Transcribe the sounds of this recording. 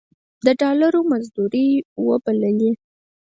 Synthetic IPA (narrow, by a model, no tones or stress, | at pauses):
d̪əɖɑlaɾomazd̪uɾiwəbaləli